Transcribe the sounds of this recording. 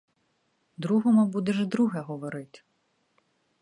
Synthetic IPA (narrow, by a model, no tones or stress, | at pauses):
d̪ɾuɦɔmʊbud̪ɛʒd̪ɾuɦɛɦɔʋɔɾɪt̪ʲ